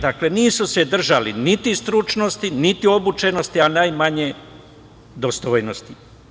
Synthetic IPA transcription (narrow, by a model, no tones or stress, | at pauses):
d̪akle̞niːsuse̞d̪r̩ʒalinit̪ist̪ɾut͡ʃnost̪init̪io̞but͡ʃe̞no̞st̪ianajmaɲe | d̪ost̪oːjnost̪i